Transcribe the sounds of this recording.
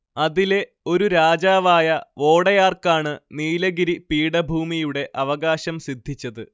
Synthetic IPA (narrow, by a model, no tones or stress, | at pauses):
ɐðile̞ | o̞ɾuɾaːd͡ʑaːʋaːjɐo̞ːɽɐjaːrkaːɳɨniːlɐɡiɾipiːɽɐbʱuːmijuɽe̞ʔɐʋɐɣaːɕɐmsid̪ʱːit͡ɕːɐðɨ